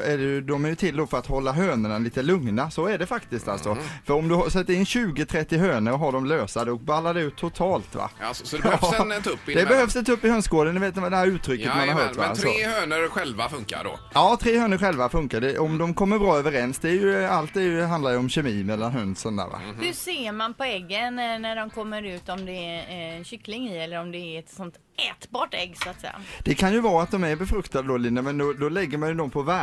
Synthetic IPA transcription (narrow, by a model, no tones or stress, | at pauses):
æɖɛjd̪ɔmæjɵt̪ʰɪld̪ɔfœɾat̪hɔlːaɦøːnəɳaliːt̪əlɵŋnasɔæɖɛfakt̪ɪst̪a̰lsɔfœɾɔmd̪ɵsɛt̪ːəɾɪnːɕʉ̟ːɡət̪ʰɾɛt̪ːɪɦøːnəɾɔɦaɖɔmløːsad̪əɔk̚balːad̪ɛʉ̟ːt̪ʰːʊt̪ʰɑːlt̪va̰sɔd̪ɛt̪pːd̪ɛbɛhœfsɪnt̪ʰːaɵpːɪhøːnskoːd̪ənːɪveːt̪d̪ɛhæːɾʉ̟ːt̪ʰːɾʏkːəmanhaɾɦœːt̪vasɾɔeːhøːnəɾɧɛlva̰fɵŋka̰ɖo̰ | jɑːt̪ʰɾeːhøːnəɾɧɛlvafɵŋkaɖɛʔɔmd̪ɔmkʰɔmːəɾbɾɑːøːvəɾɛnsd̪ɛːɾjɵalt̪̚d̪ɛjɦand̪aɾjəɔmɕɛmiːmɛlːanɦœnsɔnd̪æ̰ːɾva̰hɵseːmanpɔɛɡːənnæɖɔmkʰɔmːəɾʉ̟ːt̪ɔmd̪ɛɕʏklɪŋiɛlːəɾɔmd̪ɛæɛt̪sɔnt̪ | ɛːt̪bɑːʈɛɡːsʊat̪sɛ̰jːa̰d̪̥ɛkʰanjɵvɑːat̪̚d̪ɔmæɾbɛfɾɵkt̪ad̪əd̪ɔlɪnːəmɛnd̪ɔd̪ɔlɛɡːəɾmanjɵd̪ɔmpʰɔvæ